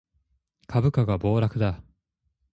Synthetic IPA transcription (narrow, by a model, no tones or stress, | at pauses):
kʰabɯ̟kaɡabo̞ːɾakɯ̟d̪a